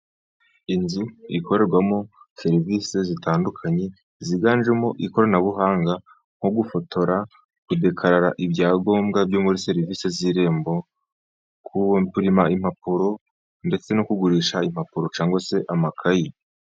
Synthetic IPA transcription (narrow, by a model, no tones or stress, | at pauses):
inzuikʰo̞ɾe̞ɾɡwamo̞se̞ɾivise̞zitaːndukʰaɲe̞ | ziɡaːnʒemoʔikoɾanaβuɦaːŋɡa | ŋ̥hoɡufo̞tʰo̞ɾa | kude̞kʰaɾaɾaʔibɟaːɡo̞ːmɡabɟoːmuɾise̞ɾiviːseziɾe̞ːmbo̞ | kukuɾimaimhapuɾo̞ | nde̞t͡se̞nokuɡuɾiːʃaim̥hapuɾo̞t͡ʃaːŋɡwase̞ʔamakʰaji